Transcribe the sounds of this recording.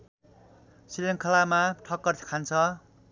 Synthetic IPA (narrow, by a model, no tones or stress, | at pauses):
sileŋkʰʌlamaʈʰʌkːʌr̥ʰkʰant͡sʰʌ